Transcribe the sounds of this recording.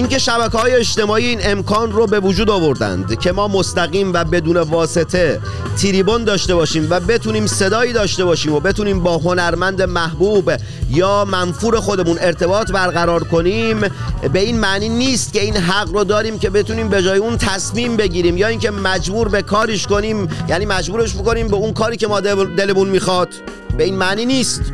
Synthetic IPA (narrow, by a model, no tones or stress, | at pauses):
ʔiŋke̞ʃæbækehɒːje̞eʃt̪e̞mɒːiiːne̞mkʰɒːnrobe̞vud͡ʒuːd̪ɒvo̞ɾd̪æ̰nd̪cʰe̞mɒːmost̪æɣiːmvæbe̞d̪uːne̞vɒːse̞t̪ʰe̞ | t̪ʰiliːbo̞nd̪ɒːʃt̪e̞bɒːʃiːmvæbe̞t̪ʰuːniːmse̞d̪ɒːiːd̪ɒːʃt̪e̞bɒːʃiːmo̞be̞t̪ʰuːniːmbɒːɦo̞næɾmænd̪emæhbuːb | jɒːmænfuːɾe̞xod̪e̞mune̞ɾt̪ʰe̞bɒːt̪ʰbæɾɣæɾɒːɾkʰo̞niːmbe̞iːnmæʔniːniːst̪̚cʲe̞iːnɦæɣɾod̪ɒːɾiːmce̞be̞t̪uniːmbe̞d͡ʒɒːjeunt̪ʰæsmiːmbe̞ɟiːɾiːmjɒːiːŋce̞mæd͡ʒbuːɾbe̞kʰɒːɾiʃko̞niːmjæːniːmæd͡ʒbuːɾe̞ʃmiko̞niːmbe̞unkʰɒːɾiːcʲe̞mɒːd̪e̞lemunmiːxɒd̪̥ | be̞iːnmæniːniːst̪